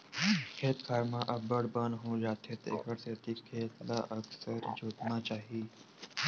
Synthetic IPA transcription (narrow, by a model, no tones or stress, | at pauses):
kʰeːt̪kʰaːɾmãʔɐbəɽbənɦõd͡ʒaːt̪ɦet̪ḛːkəɾset̪ikʰeːt̪la̰ʔəksəɾd͡ʒoːt̪nat͡ʃaːɦiiː